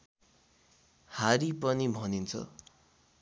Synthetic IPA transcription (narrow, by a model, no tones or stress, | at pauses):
haɾipʌnibʱʌnint͡sʰʌ̰